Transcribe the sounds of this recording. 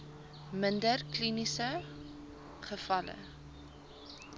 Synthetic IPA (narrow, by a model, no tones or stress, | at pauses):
məndərklinisə | χəfɐlə̰